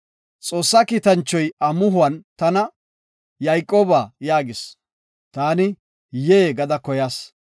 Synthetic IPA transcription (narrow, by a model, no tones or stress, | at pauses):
t͡sʼo̞ːsːɐkiːt̪ɐnt͡ʃːɔjɐmʊɦʊwɐnt̪ɐnɐ | jɐjkʼːoːbaːjaːɡɪs | t̪aːnɪ | jeːɡɐd̪ɐkɔjaːs